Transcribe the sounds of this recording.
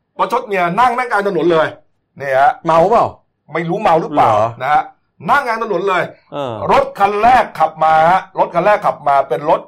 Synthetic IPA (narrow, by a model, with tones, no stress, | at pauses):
bɔː˦˥t͡ɕʰo˦˥t̪̚ni˥˩ɐna˥˩ŋnaː˥˩ŋkaː˧nt̪ʰa˧nu˨˩˦nlɤː˧j | ni˥˩ɐha˦ma˧wba˥˩w | ma˥˩jɾuː˦˥ma˧wɾɯ˦˥pla̰ː˨˩wna˦˥ha˦˥ʔ | na˥˩ŋːaː˧nt̪ʰnu˩˦nlɤː˧jɾo˦˥t̪̚kʰa˧nɾɛː˥˩kʰːla˨˩p̚maː˧˦˥ɾo˦˥t̪̚kʰa˧nlɾɛː˥˩kʰːla˨˩p̚maː˧pe˧nɾo˦˥t̪̚